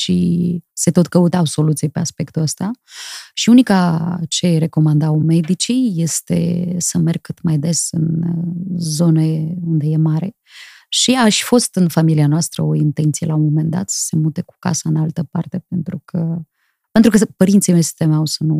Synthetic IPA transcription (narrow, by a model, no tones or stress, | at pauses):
ʃise̞t̪o̞t̪kəut̪awso̞lut̪siepeaspe̞kt̪uəst̪aʃiunikat͡ʃe̞ɾe̞ko̞mand̪awme̞d̪it͡ʃije̞st̪e̞̰səme̞rɡ̚kːɨt̪majd̪e̞sɨn | zo̞neund̪e̞je̞maɾe̞̰ | ʃiaʃfo̞st̪ɨnfamilianoast̪ɾə̰o̞int̪ent̪sije̞lamome̞nd̪a̰t̪sə̥se̞mut̪e̞ku̥ka̰saɨnalt̪əpa̰rt̪e̞p̚e̞nt̪ɾukʰə | pent̪ɾukəpəɾint̪simesi̥t̪emeawsənu